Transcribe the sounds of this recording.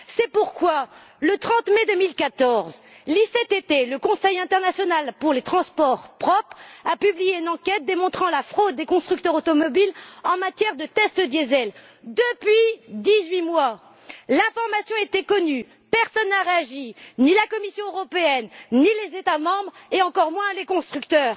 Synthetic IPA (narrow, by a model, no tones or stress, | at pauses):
sɛpuʁkwa | lət̪χɑ̃t̪med̪əmilkat̪ɔʁz | liset̪et̪eləkɔ̃sɛjɛ̃t̪ɛʁnasjɔnalpuʁlet̪χɑ̃spɔʁpχɔpχapyblijeynɑ̃kʲɛt̪̚d̪emɔ̃t̪χɑ̃lafχod̪ːekɔ̃st̪χyk̚t̪œʁot̪ɔmɔbilɑ̃mat̪jɛʁd̪ət̪ɛst̪d̪jezɛl | d̪əpɥid̪izɥimwa | lɛ̃fɔʁmasjɔ̃et̪ɛkɔny | pɛʁsɔnːaʁeaʒinilakɔmisjɔ̃øʁɔpeɛnnilezet̪amɑ̃bʁeɑ̃kɔʁmwɛ̃lekɔ̃st̪χykt̪œːʁ